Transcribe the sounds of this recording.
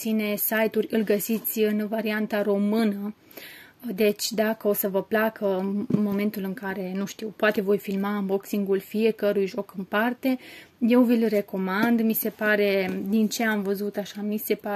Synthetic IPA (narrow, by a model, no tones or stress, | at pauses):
sine̞sajt̪urʲɨlʲɡəsit̪sʲɨnvaɾiant̪aɾo̞mɨnə | d̪e̞t͡ʃʲd̪akəo̞səvəplakənmo̞me̞nt̪ulɨŋkaɾe̞nuʃt̪iwpoat̪e̞vo̞jfilmaɨmbo̞ksiŋɡulfije̞kəɾujʒo̞kɨnpart̪e̞je̞wvilʲre̞ko̞mand̪mise̞paɾe̞d̪int͡ʃe̞amvəzut̪aʃamise̞pa